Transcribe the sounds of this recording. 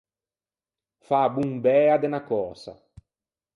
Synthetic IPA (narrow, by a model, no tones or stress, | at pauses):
fabuŋbɛːad̪enakɔːsa̰